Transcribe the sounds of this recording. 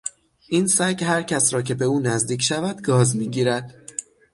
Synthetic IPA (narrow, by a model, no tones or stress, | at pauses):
ʔiːnsæɡɦæɾcʰæsɾɒːcʰe̞be̞uːnæzd̪iːcʰʲʃævæd̪ɡɒːzmiːɟiːɾæd̪̥